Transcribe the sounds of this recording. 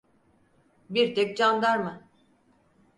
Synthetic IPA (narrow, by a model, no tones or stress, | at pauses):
biɾt̪ʰɛk̚ʲd͡ʒand̪aɾmɯ